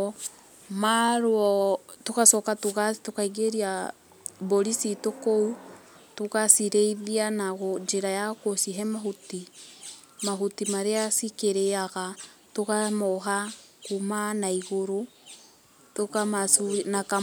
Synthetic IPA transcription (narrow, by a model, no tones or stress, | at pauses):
maɾɔtokasɔkatoɣatokaiɡeɾia | boɾisitokou | tokasiɾeiðianaɣɔɲd͡ʒeɾajakosiɦɛmaɦuti | maɦutimaɾeasikeɾeaɣatokamɔɦakumanaiɣoɾo | tokamasunaka